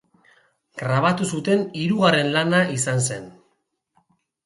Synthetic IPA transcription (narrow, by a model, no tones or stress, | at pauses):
ɡ̥ɾaβ̞at̪usut̪e̞niɾuɣare̞nlanaisans̬e̞̰n